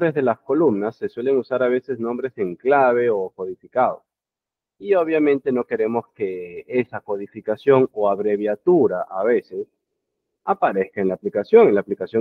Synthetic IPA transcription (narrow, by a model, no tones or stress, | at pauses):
ɾezðe̞lasko̞lumnasːe̞swe̞le̞ŋusaɾaβ̞e̞se̞znõ̞mbɾe̞se̞ŋklaβ̞e̞oko̞ðifikaðo̰ | ioβ̞jamẽ̞nt̪e̞no̞ke̞ɾe̞mo̞ske̞esako̞ðifikasjo̞ŋo̞aβɾe̞β̞jat̪uɾaʔaβe̞se̞s | apaɾe̞skaenlaːplikasjo̞ŋenlaːplikasjo